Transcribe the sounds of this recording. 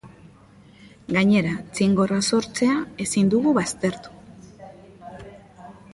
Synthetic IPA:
ɡaɲe̞ɾat͡siŋɡo̞raso̞ɾt͡se̞ae̞sind̪uɣuβast̪e̞ɾt̪u̥

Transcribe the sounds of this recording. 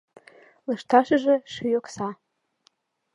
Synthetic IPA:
lɤ̆ʃt̪ɑʃə̆ʒĕʃyjoksɑ

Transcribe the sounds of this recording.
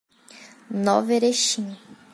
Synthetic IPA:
nɔveɾeʃĩɲ

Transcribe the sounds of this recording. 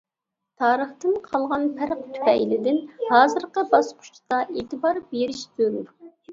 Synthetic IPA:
t̪ʰɑːɾəχt̪ɨmqʰɑlˠʁɑnpʰæɾq̚t̪ʰy̥pɛjlɪd̪ɪnhɑːzɨɾqəbɑsqʰʊ̥ʃʰt̪ɑʔeːt̪ʰɨbɑɾbeɾɪʃzøɾuɾ

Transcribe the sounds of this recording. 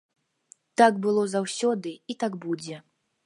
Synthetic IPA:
t̪aɡbɨlˠɔzawsʲɔd̪ɨit̪aɡbud͡zʲɛ

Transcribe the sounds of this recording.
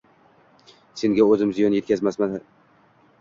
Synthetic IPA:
se̞ŋɡʲaɵzɪmzijɒnjekʲʰazmasman

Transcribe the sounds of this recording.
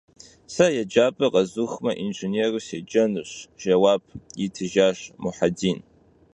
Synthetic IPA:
sɐjad͡ʒaːpʼɨqʼɐzuxmɐʔinʒɨnerused͡ʒɐnɨɕʒ̥ɐwaːb̚jitʰɨʒaːʃmuħadin

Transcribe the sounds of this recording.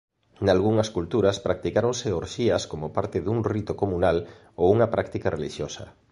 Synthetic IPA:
nalɣuŋɐskult̪uɾɐspɾak̚t̪ikaɾoŋseoɾʃiɐskomopaɾt̪ɪðuŋrit̪okomunal | owuŋɐpɾʔakt̪ikɐrʔeliʃjosɐ̰

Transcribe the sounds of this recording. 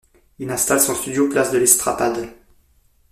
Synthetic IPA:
ilɛ̃st̪alsɔ̃st̪yd̪joplasd̪əlɛst̪χapad̪

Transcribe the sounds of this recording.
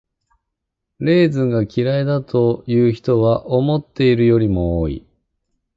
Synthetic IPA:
ɾe̞ːzɨ̃ŋɡakʲiɾaid̪at̪ʰo̞jɯːçi̥t̪o̞βaʔo̞mo̞t̪ːe̞iɾɯ̟jo̞ɾʲimo̞oːḭ

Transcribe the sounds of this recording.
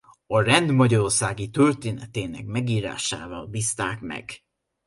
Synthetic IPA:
ɒrɛnd̪mɒɟɒɾorsaːɡit̪ørt̪eːnɛt̪eːnɛkmɛɡiːɾa̰ːʃa̰ːvɒlbist̪aːkmɛ̰ɡ

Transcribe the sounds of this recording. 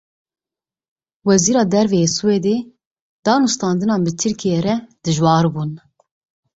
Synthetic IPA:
wɛziːɾɑːd̪ɛɾvɛjeːsɨweːd̪eː | d̪ɑːnust̪ɑːnd̪ɨnɑːnbɨt̪ʰɨɾkʰijeːɾɛd̪̥ɨʒwɑːɾbuːn

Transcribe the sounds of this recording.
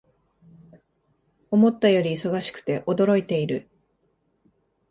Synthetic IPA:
o̞mo̞t̪ːajo̞ɾʲiːso̞ɡaɕi̥kɯ̥t̪e̞ʔo̞d̪o̞ɾo̞it̪e̞iɾɯ̟

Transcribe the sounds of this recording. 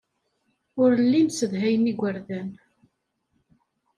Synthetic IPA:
ʊɾəlːinsəðɦæjəniɡʷəɾðæn

